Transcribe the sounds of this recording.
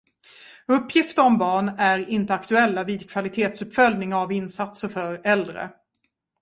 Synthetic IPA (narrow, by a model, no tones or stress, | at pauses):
ɵpːjɪft̪əɾɔmbɑːɳæɾɪnt̪əakt̪ɵɛlːavɪːd̪kʰv̥alɪt̪ʰeːt̪sɵpfœlnɪŋavɪnsat̪səɾfœɾɛld̪ɾə̰